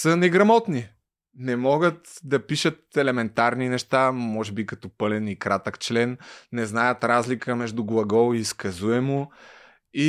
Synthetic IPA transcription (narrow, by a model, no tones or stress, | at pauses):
sənɛɡɾɐmɔt̪ni | nɛmɔɡət̪d̪ɐpiʃət̪̚ɛlɛmɛnt̪aɾninɛʃt̪amɔʒɛbikɐt̪ɔpɤlɛnikɾat̪əkt͡ʃlɛnːɛznajət̪ɾazlikəmɛʒd̪ʊɡlˠɐɡɔlˠiːskɐzuɛmʊ | i